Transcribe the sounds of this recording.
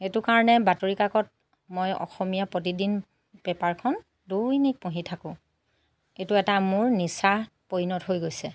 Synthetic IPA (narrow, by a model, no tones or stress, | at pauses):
etʊkaɹɔnɛbatoɹikakɔt̚ | mojɔ̰xɔmijapɹot̬idin | pɛpaɹkʰɔn | dojnik̚põɦitʰakʊ̃ | etʊɛtamʊɹnisa | pojnɔtɦojɡojsɛ